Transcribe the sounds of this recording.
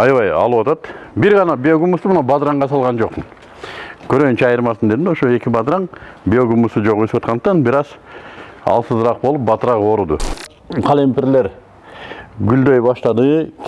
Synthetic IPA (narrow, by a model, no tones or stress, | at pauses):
ɑjʋɑjɑ̰lˠuwɑt̪ɑt̪biɾʁɑnɑbʲeoɡumust̪umunɑbad̪ɾɑɴʁɑs̬ɑlˠʁɑnd͡ʒo̞qmɯn | kʰøɾøj̪nt͡ʃɛɑjɯɾmɑsɯnd̪ed̪inoʃoe̞kʲibɑd̪ɾɑŋbʲioɡumusud͡ʒo̞ʁøsypwɑt̪qɑnd̪qt̪ɑnbiɾɑz | ɑ̰lˠsɯzɾɑqbo̞lˠup̚bɑt̪ɾɑʁo̞ɾud̪ṵ | qʰɑlʲempʲerleɾ | ɡyld̪øjbɑʃt̪ɑd̪ɯ